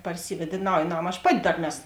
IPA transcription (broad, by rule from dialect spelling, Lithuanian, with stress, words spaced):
pɐrʲˈsʲiːʋʲɛt ɪ ˈnɐʊj ˈnɐm ɐʃ ˈpɑːtʲɪ ˈdɐr ˈnʲɛs